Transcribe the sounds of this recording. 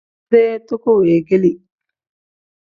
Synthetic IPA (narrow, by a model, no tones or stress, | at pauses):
eːt̪okueːɡeli